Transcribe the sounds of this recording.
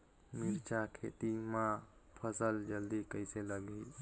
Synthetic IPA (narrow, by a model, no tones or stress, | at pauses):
miɾt͡ʃakʰḛt̪imãpʰəsəld͡ʒəld̪ikəɪseləɡei